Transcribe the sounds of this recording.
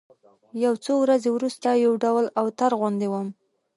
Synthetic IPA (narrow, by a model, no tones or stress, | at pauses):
jawt͡sowɾazewɾust̪ajawɖawlawt̪aɾɣwand̪ewəm